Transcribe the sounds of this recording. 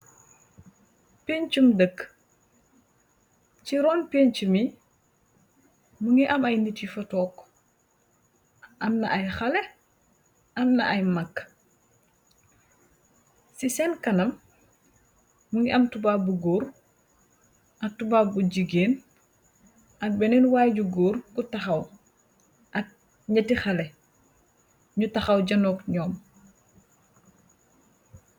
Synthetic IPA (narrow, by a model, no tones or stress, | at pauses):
peːɲt͡ʃumdəkː | ciɾɔːnpeːɲcumi | muŋiʔɐmɐjnitifɐtɔːk | ʔɐmnɐ̰ʔɐjxɐlɛ | ɐmnɐ̰ʔɐjmɐkː | sisɛnkɐnɐm | muŋiʔɐmtubabuɡoːɾ | ʔɐk̚tubaːbuɟiɡeːn | ʔɐk̚bɛnɛnwaːjɟuɡoːɾkutɐxɐw | ʔɐk̚ | ɲɐtixɐlɛ | ɲutɐxɐwɟɐnɔːkɲɔːm